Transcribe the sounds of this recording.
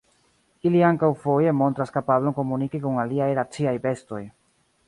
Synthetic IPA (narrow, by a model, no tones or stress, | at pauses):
iliaŋkawfo̞je̞mo̞ntɾaskapablo̞ŋko̞munikikuŋaliajɾat͡siajbe̞sto̞j